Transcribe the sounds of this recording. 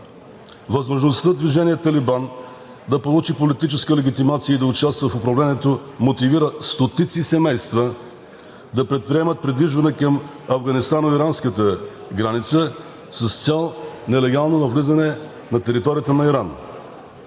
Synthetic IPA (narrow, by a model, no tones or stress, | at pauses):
vɐzmoʒnost̪əd̪viʒɛniɛt̪ɐliban | d̪ɐpolˠut͡ʃipolit̪it͡ʃɛskəlɛɡʲit̪imat̪siəid̪ɐʊt͡ʃast̪vəfʊpɾɐvlɛnʲiɛt̪omot̪iviɾəst̪ot̪it̪sisɛmɛjst̪və | d̪ɐpɾɛt̪̚pɾiɛmət̪̚pɾid̪viʒvɐnɛkɐm | ɐvɡɐnist̪anoiɾanskət̪əɡɾanit̪sə | səst̪sʲalˠnɛlɛɡalˠnonɐvlizɐnɛ | nɐt̪ɛɾit̪ɔɾijət̪ənɐiɾan